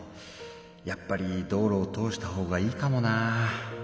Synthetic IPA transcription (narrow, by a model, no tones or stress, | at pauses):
japːaɾʲid̪o̞ːɾo̞ːt̪o̞ːɕi̥t̪aho̞ːɡaiːkamo̞na